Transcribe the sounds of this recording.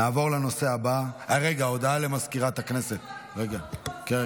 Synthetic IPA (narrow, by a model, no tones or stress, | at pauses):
aːvo̞ʁlano̞se̞ɦabaaʁeɡao̞d̪ale̞maskiʁat̪haknese̞t̪ʁeɡake